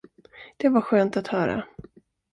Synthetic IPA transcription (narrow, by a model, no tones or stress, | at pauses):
d̪̥ɛvaɾɧøːnt̪at̪hœːɾa̰